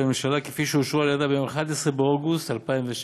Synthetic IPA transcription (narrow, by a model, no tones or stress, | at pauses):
memʃalakefiʃeuʃualad̪abejo̞meχad̪esʁebeoɡust̪halpaimveʃ